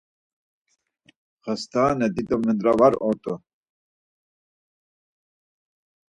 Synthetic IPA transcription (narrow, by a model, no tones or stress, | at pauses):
χəst̪ʰaːnɛd̪id̪ɔmənd̪ɾavaɾɔt̪ʼu